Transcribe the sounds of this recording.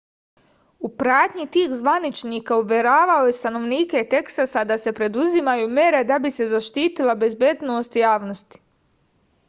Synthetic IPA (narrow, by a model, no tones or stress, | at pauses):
upɾaːt̪ɲit̪iːxzʋanit͡ʃniːkauʋʲje̞ɾaːʋao̞je̞st̪ano̞ʋniːket̪e̞ksasad̪ase̞pɾe̞d̪uzimajuːme̞ɾe̞d̪abise̞zaʃt̪iːt̪ilˠabe̞zbjeːd̪no̞ːst̪jaːʋno̞st̪i̥